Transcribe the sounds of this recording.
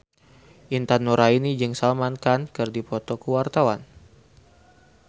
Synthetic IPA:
ʔint̪anːuɾʔainid͡ʒɨŋsalmankankɨrdipɔt̪ɔkəwart̪awan

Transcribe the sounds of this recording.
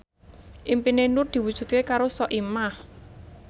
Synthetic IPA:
ʔimpinenurd̪̥i̤wud̥ʒ̥ṳt̪̚kekaɾosɔʔimah

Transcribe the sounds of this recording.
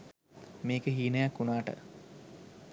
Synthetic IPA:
meːkəɦiːnəjakːunaːʈə̰

